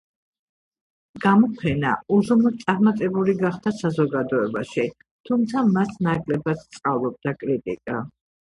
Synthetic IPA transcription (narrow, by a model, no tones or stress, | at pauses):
ɡ̥amɔpʰɛna̰uzunɔt̪t̪sʼaɾmat̪ʼɛbuliɡaχd̪asazɔɡad̪ɔɛbaʃi | t̪ʰumt̪sʰamasʰnakʼlɛbat̪t̪sʼqʼavlˠɔb̚d̪akʼɾit̪ʼḭkʼa